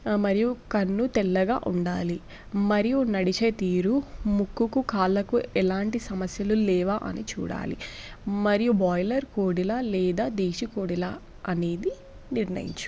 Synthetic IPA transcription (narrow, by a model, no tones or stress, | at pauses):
mɐɾijukɐnːut̪ɛlːɐɡa̰ːʔuɳɖaːli | mɐɾijunɐɽit͡ʃet̪iːɾumukːukukaːlːɐkuɛlaːɳʈisɐmɐsjɐlulɛːʋaːʔɐ̰nit͡ʃṵːɽa̰ːlḭ | mɐɾijubɔːjlɐɾkoːɽilalɛːd̪aːd̪eːʃikoːɽila | ɐne̞ːd̪i | niɾnɐ̰jḭɲt͡ʃu̥